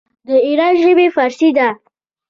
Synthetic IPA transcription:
d̪əiɾɑnʒəbefaɾsid̪a

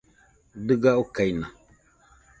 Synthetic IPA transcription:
dɨɡaukajna

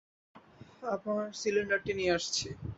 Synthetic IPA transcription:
apaɾsiliɳɖaɾʈinieaʃt͡ɕʰe

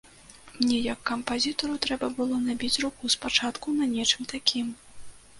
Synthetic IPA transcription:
mnʲɛjɐkːɐmpazʲit̪ɔɾut̪ɾɛbɐbɨlˠɔnabʲit͡sʲrukuspat͡ʂat̪kunɐnʲɛt͡ʂɨmt̪akʲim

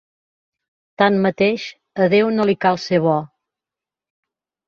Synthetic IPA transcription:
t̪anmət̪eʃ | əðewnolikalˠseβɔ

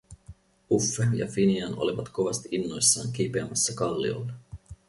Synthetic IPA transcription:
ufːejɑ̰finiɑno̞̰liʋɑt̪ko̞ʋɑst̪iʔinːo̞jsːɑːŋk̟ipeɑmɑsːɑkɑlːḭo̞̰lːe

